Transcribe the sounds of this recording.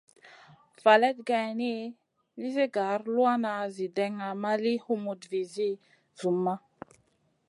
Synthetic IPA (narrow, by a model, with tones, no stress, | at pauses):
va˨le˦tɡa˨jni˦ | li˦ze˦ɡa˨˦ɾlu˦a˦na˨zi˨de˨ŋa˨ma˦li˦hu˦mu˨tvi˨zi˦ | zu˨mːa˦